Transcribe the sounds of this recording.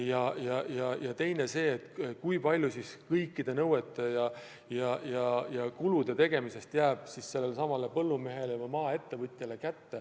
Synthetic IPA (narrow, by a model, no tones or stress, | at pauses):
jɑjɑjɑjɑt̪e̞jne̞se̞ːt̪kujpɑlʲjusiskɤjkˑːid̪̥e̞nɤwe̞t̪ːˑe̞jɑ | jɑjɑjɑkulud̪̥e̞t̪e̞ɡ̥e̞mise̞st̪jæːb̥sisse̞lːe̞lsɑmɑle̞pɤlːume̞ɦe̞leɑmɑːe̞t̪ːe̞vɤt̪ʲˑjele̞kæt̪ːe̞